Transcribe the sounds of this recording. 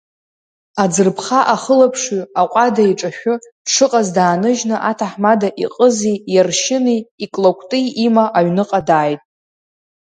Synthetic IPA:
ad͡zɨrpʰχaʔaχəlapʰʂɥaqʷʼadaiʈ͡ʂʼaʃᶣʊ | ʂɨqʼazdaːnɨʒnɨʔatʰaħmadaʔiqʼəzijarʃɪniːkʼlokʷʰtʼɨimaʔaɥnɨqʼadaːjtʼ

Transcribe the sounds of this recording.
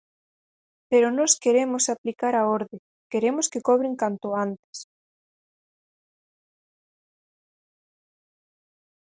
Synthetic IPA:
peɾʊnɔskeɾemʊsaplikaɾaoɾðɪ | keɾemʊskekɔβɾeŋkant̪ʊant̪ɪ̥s

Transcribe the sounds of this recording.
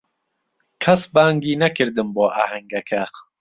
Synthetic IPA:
kʰɐsbaːŋɡiːnɐkʰɨɾd̪ɨmboːʔa̰ːhɐŋɡɐkʰæq

